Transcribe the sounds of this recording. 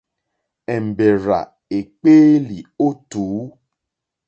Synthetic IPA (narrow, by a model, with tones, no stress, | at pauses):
ɛ˨m̩˨bɛ˨ɾa̰˨ | e˨k͡peː˦li˨o˦tuː˨˦